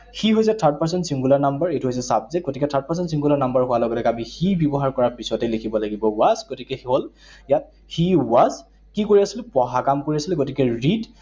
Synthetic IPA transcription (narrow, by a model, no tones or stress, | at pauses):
xiɦojs̬ɛtʰaɹt̚paɹs̬ɔnsiŋɡulaɹnambəɹetuɦojs̬ɛsabzɛt̚ɡotikɛtʰaɹt̚paɹsɔntsiŋɡulaɹnambaɹɦʊwalɔɡɔlɛɡabixibjɔbɔɦaɹkɔɹapisɔtɛlekʰibɔlaɡibɔwazɡotikɛxiɦol | jat̚ | xiwaz | kikoɹiasilpɔɦakamkoɹiasilɡotikɛɹid